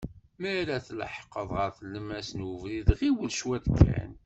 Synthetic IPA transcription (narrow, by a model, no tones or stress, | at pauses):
mæɾæθlə̰ħqːəðˤʁəɾθəlːəmæsnwəvɾiðʁiwəlʃwæðkʰːæ̰n